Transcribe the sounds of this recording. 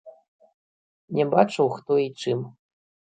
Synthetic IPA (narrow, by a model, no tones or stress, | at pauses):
nʲɛbat͡ʂɐwxt̪ɔit͡ʂɨm